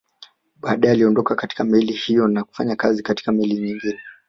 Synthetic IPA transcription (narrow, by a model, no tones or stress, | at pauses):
ɓaːɗajaliɔndɔkakati̥kamɛlihijɔnaku̥faɲakazikati̥kamɛliɲiŋɡinɛ